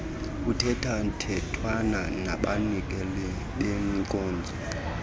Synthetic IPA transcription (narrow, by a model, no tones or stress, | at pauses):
kutʰɛtʰan̩tʰɛtʰwana | na̰ɓanik̬ɛlɛ | ɓɛŋikʼɔːnd͡zʱɔ